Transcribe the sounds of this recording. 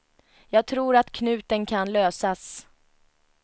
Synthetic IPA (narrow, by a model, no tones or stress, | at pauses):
jɑːɡ̚t̪ʰɾuːɾat̪kʰnʉ̟ːt̪ənkʰanløːsas